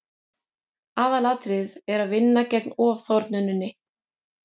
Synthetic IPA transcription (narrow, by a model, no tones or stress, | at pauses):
aːðalaːt̪ɾɪðɛɾaðvɪnːacɛknɔːv̥θɔɾt̪nʏnːʏnːɪ